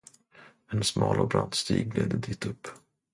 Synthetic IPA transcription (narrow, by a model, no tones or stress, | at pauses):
ɛnsmɑːlɔbɾant̪st̪iːɡ̚leːd̪əd̪iːt̪ɵpː